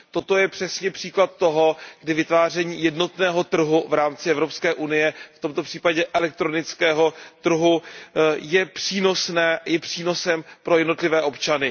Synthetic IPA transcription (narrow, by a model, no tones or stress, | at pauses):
t̪o̞t̪o̞jɛpr̝̥ɛsɲɛpr̝̥iːklat̪̚ːo̞ɦo̞ɡ̥dɪvɪt̪vaːr̝ɛɲiːjɛdno̞t̪nɛːɦo̞t̪r̩ɦuvɾaːmt͡sɪʔɛvɾo̞pskɛːʔunɪjɛft̪o̞mt̪o̞pr̥iːpaɟɛʔɛlɛk̚t̪ɾo̞nɪt͡skɛːɦo̞t̪r̩ɦu | jɛpr̝̥iːno̞snɛːjɛpr̝̥iːno̞sɛmpɾo̞jɛdnot̪lɪvɛːʔo̞pt͡ʃanɪ